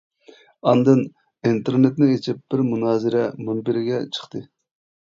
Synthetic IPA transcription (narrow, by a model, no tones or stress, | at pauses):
ɑnd̪ɨn | int̪ʰeɾnet̪nɪet͡ʃʰɪp̚b̥ɪɾmunɑːzɪɾɛmunbɪɾɪɡʲɛt͡ʃʰə̥χt̪ɨ